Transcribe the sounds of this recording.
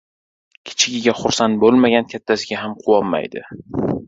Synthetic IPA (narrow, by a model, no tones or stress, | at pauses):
kʲʰɪ̥t͡ʃʰɪɡʲɪɡʲaχʊɾsant̪̚bolˠmaɡʲankʲʰat̪ʰːasɪɡʲaɦamqʰʊwɒmːa̰jd̪ɪ̰